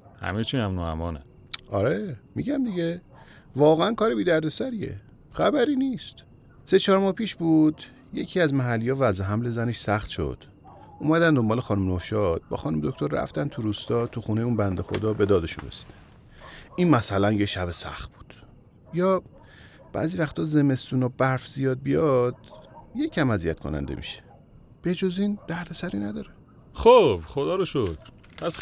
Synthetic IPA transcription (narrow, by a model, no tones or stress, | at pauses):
hæ̰met͡ʃʰinæmnoæ̰mɒːne | ʔɒɾemiɟæmd̪iɟe | vɒːɣeænkʰɒːɾebiːd̪æɾd̪e̞sæɾie̞̰ | xæbæɾiːniːst̪ | se̞t͡ʃʰɒːɾmɒːhpʰiːʃbuːd̪̥ | je̞cʰiːæzmæɦælːijɒːvæzeɦæmle̞zæne̞ʃsæxt̪ʃo̞̰d̪̥ | ʔuːmæd̪ænd̪o̞mbɒːle̞xɒːnumnohʃɒd̪̥̚bɒ̰ːxɒːnumed̪ok̚ʰt̪ʰo̞ɾræ̰ft̪ænt̪ʰuɾuːst̪ɒːt̪ʰuxune̞jeuːnbænd̪exo̞̰d̪ɒːbe̞d̪ɒːd̪e̞ʃṵnresi̥d̪̥æ̥ | iːnmæsælænjeʃæbe̞sæ̰xt̪̚b̥u̥d̪̥ | jɒː | b̥æ̰ːziːvæxt̪ʰɒːze̞me̞st̪uːnɒbæɾfz̥ijɒːd̪̚bijɒd̪̥je̞cʰæmæzijæt̪kʰo̰næ̰nd̪ḛmḭʃe̥ | b̥e̞d͡ʒozind̪̥æɾd̪esæɾiːnæd̪ɒːɾe | xob̥χod̪ɒːɾoʃokʰɾ | pʰæs